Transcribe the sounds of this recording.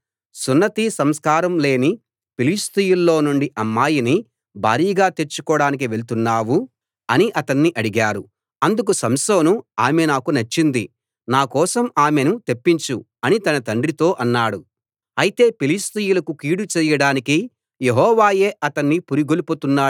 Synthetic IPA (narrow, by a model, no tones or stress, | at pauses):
sunːɐt̪iːsɐmskaːɾɐmle̞ːni | pilist̪ijulːo̞ːnuɳɖiʔɐmːaːjini | bʱa̰ːɾiːɡaːt̪e̞ɾt͡ʃːu̥kɔːɽaːnik̬iʋe̞lt̪unːaːwu | ɐniʔɐt̪ɐnːiʔɐɽiɡaːɾu | ɐnd̪uk̬usɐmsoːnuaːmenaːkunɐt͡ʃːind̪i | naːkɔːsɐmaːmenut̪e̞pːiɲt͡ʃu | ɐnit̪ɐnɐt̪ɐɳɖrɾit̪o̞ːʔɐnːaːɽu | ɐjit̪e̞ːpilist̪ijulɐkukiːɽut͡ʃɛːjɐɽaːniki | jeɦɔːʋaːjeːʔɐt̪ɐnːipuɾiɡoluput̪unːaː